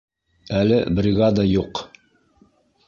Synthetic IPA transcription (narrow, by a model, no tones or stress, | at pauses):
ælɘbrʲiɣɑd̪ɑjuq